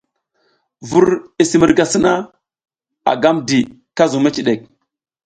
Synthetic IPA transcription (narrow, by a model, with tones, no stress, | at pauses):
vu˦ɾi˨si˦mi˨ɾɡa˨si˦na˦ | a̰˨ɡa˦mdi˨ | ka˦zu˨me˦t͡ʃi˨ɗe˨k̚